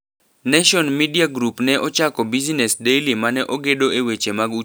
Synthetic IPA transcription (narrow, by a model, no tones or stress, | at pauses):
neʃɔnmidiaɡɾupnɛʔɔt͡ʃakɔbizinɛsdejlimanɛʔoɡedoewet͡ʃemaɡu